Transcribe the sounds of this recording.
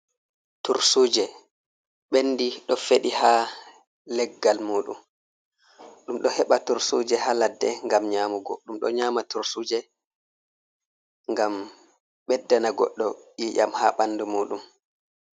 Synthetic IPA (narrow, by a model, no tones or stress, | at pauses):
tuɾsuːd͡ʒɛ | ɓenːdiɗɔfeɗiha | lɛɡːalmuːɗṵm | ɗumɗɔhɛɓatuɾsuːd͡ʒɛhaladːɛŋɡamɲaːmuɡɔɗumɗɔ̰ɲaːmatuɾsud͡ʒɛ | ŋɡam | ɓɛdːanaɡɔ̰ɗːɔjiːʔamhaɓanːdumuːɗum